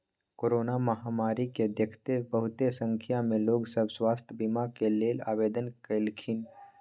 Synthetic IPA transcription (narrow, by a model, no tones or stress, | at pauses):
koːɾoːnaməɦaːmaːɾiked̪ekʰt̪ebəɦʊt̪esə̃ŋkʰjamẽloːɡsəbswaːst̪ʰjəbimakeleːla̰ːʋeːd̪ənkelkʰin